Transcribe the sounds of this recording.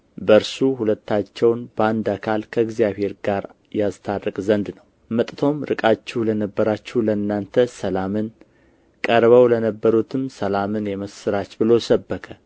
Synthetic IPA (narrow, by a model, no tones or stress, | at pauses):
bəɾsuhulət̪ːat͡ʃːɛwnbəand̪akʰalkʰəɨɡzijaβhe̞ɾɡaɾ | jast̪ʰadəkʼzənd̪nəw | mət̪ʼt̪ʰo̞mɾɨkʼat͡ʃːɛhlənəbːəɾat͡ʃːuwləɨnːant̪ʰəsəlamɨn | kʼəɾβəwlənəbːəɾut̪ʰɨmsəlamɨnjɛməsɨɾat͡ʃbɨlo̞səbːəkʰə